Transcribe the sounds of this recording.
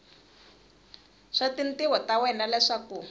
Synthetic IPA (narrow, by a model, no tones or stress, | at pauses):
ʂatintiwɔtawɛnalɛʂaku